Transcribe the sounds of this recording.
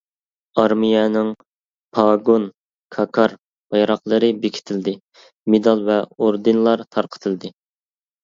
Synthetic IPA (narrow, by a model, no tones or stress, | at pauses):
ɑɾmijɛnɪŋ | pʰɑɡon | kʰɑkʰɑɾ | b̥ɑjɾɑqlˠəɾɨbekʲʰi̥t̪ʰɪld̪ɪ | med̪ɑlˠvɛoɾd̪ɨnlˠɑɾt̪ʰɑɾqʰə̥t̪ʰɨlˠd̪ɪ